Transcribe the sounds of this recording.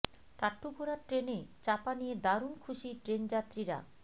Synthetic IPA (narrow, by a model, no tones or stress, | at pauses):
ʈaʈːubʱoɾaʈɾenet͡ɕapanijed̪aɾunkʰuʃiʈɾend͡ʑat̪ːɾiɾa̰